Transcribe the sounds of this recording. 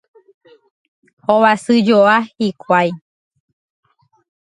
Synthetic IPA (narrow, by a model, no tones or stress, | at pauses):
hoβasɨd͡ʒoahikʰʷaj